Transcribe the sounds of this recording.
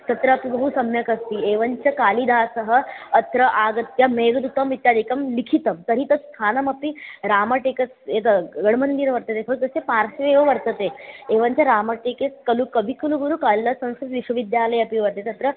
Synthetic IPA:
t̪ɐt̪ɾəːpibɐɦusɐmjɐkɐst̪ieːʋɐɲt͡ɕɐkaːlid̪ʱaːsəɦəːt̪ɾəʔaːɡɐt̪jameːɡd̪ut̪ɐmʋit̪jaːd̪ʱikɐmlikʰit̪ɐmt̪əɾit̪ɐst̪ʰaːnɐmɐpiɾaːmɐʈekɐsekɡɐɽmənd̪iːɾʋɐɾt̪ɐt̪efʰɐk̚d̪ɐsepaːɾsʋeʋəʋɐɾt̪ət̪eeːʋɐɲt͡ɕjaɾaːmɐʈekeskɐlukəbʱikɐluɡuɾukalːɐsɐ̃w̃skɾut̪ʋiʃʋɐʋid̪jaːləjɐpiʋɐɾt̪et̪ɐt̪ɾə

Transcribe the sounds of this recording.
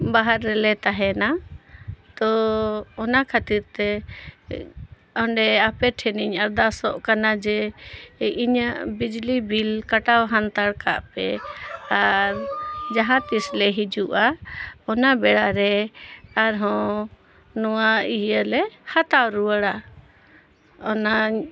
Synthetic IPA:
baɦaɾːɛlɛt̪aɦɛna | t̪ɔɔnakʰat̪iɾt̪ɛ | ɔɳɖɛapɛʈʰɛniɲaɾd̪asɔʔkanad͡ʒɛ | iɲəʔbid͡ʒlibilkaʈawɦant̪aɽka̰ʔpɛ̰aɾd͡ʒaɦat̪islɛɦid͡ʒuʔaɔnabɛɽaɾɛaɾɦɔ̃ | nɔwaiəlɛhat̪awɾuəɽa | ɔnaɲ

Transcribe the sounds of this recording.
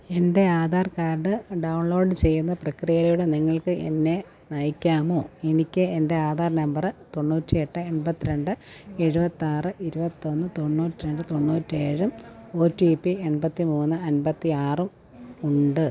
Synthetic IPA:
e̞nde̞aːd̪ʱaːrkaːrɖɨɖɐwɳlo̞ːɖɨt͡ɕe̞jːunːɐprɐkrijɐljuɽeniŋːɐɭkɨʔe̞̰nːe̞ | nɐjikʲːaːmo̞ːenikʲːɨende̞aːðʱaːrnɐmbɐrt̪o̞ɳːuːtːie̞ʈːɨenbɐt̪ːiɾe̞ɳɖɨe̞ɻubɐt̪ːiaːrɨʔiɾubɐt̪ːio̞nːɨt̪o̞ɳːuːtːiɾe̞ɳɖɨt̪o̞ɳːuːtːɨeːɻumo̞ːtːipːie̞ɳbɐt̪ːimuːnːɨɐnbɐt̪ːiaːrum | uɳɖɨ

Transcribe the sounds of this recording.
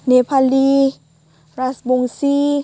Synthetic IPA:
nepʰaliː | ɾasboŋsiː

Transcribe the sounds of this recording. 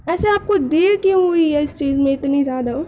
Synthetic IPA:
ɛːseaːp̚kod̪eːɾkjõɦʊiɦɛɪst͡ʃiːzmẽɪt̪nizjaːd̪aɦː

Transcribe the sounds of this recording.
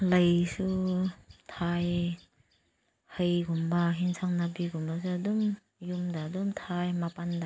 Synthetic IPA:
ləjsu | tʰaj | həjɡumbaɦinsʰaŋnabiɡumbas̬uadum | jumdadumtʰajmapanda

